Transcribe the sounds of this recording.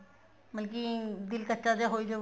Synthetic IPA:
məlkid̪ɪlkətːʃad̪eɦoːid̪e

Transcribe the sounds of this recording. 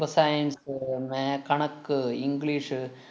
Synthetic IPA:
ɐsajɐnsmekɐɳɐkːɨiŋɡliːʂɨ

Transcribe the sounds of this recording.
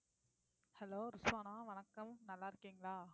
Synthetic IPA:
hɐloːɾɪsʋaːnaːʋɐnɐkːɐmnɐlːaːɪɾɯkːiːŋɡɐɭaː

